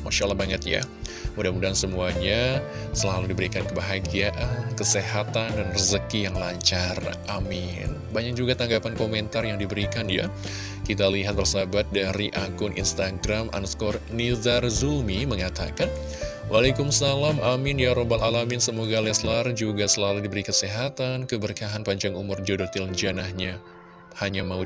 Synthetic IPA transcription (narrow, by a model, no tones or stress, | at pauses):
maʃalahbaŋət̪̚ja̰ | mudamudansəmuaɲa | səlaludibəɾikankəbaɦaɡiaʔankəseɦat̪andanrəzəkijaŋlaɲt͡ʃarʔamɪn | baɲak̚d͡ʒuɡat̪aŋɡapankoment̪arjaŋdibəɾikanja̰ | kit̪aliɦat̪̚bərsabat̪̚daɾiʔakʊnʔḭnst̪aɡɾamʔa̰nskɔrnidarzulmiməŋat̪a̰kan | wʔalakumsalamʔamɪnjaɾobalalamɪnsəmoɡalɛslard͡ʒuɡasəlaludibəɾikəseɦat̪ankəbərkaɦanpaɲd͡ʒaŋumʊrd͡ʒodot̪ɪld͡ʒanahɲa | haɲamau